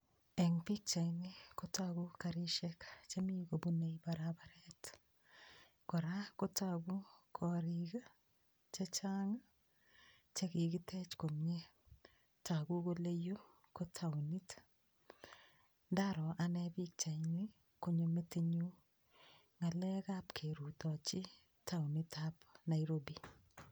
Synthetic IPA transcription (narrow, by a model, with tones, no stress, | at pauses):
ɛ˨ŋpi˦k̚t͡ʃa˨jni˦ko˦ta˦ɡu˦kaɾi˦ʃɛ˦kt͡ʃe˦mi˦ko˨bu˦ne˨jbaɾabaɾɛt | kɔ˨ɾa˦ko˦ta˦ɡu˦kʰɔ˨ɾiɡa˦ | t͡ʃe˦t͡ʃa˦ŋa˦ | t͡ʃe˦ki˨ɡɪ˦tʰɛ˦t͡ʃko˨mɲe˦ | ta˨ɡu˦ko˦le˦jo˦ | ko˦tʰa˨wni˦t | ndaɾɔ˨ʔa˨nɛbi˦k̚t͡ʃa˨ɪnɪ˦ | ko˦ɲo˨mete˦ɲu˦ | ŋa˨lɛ˦kapkʰe˨ɾu˨tɔ˨t͡ʃɪ˦ | tʰa˦wni˦tapna˨jɾobi